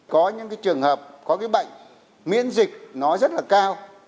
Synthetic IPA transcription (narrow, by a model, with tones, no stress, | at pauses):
kɔ˨˦ɲɨ̰˧˥ŋkaː˨˦jt͡ɕɨ˨˩əŋhəː˨˩p̚kɔ˨˦kaː˨˦jɓə̰˧˨jŋ̟ | mḭ˧˥ənzï˨˩k̚nɔ˨˦zə˦˥t̚laː˨˩kaː˧w